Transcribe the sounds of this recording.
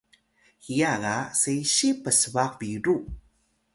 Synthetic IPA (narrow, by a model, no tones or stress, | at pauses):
hijaɣasejɕipəsəvakviɾu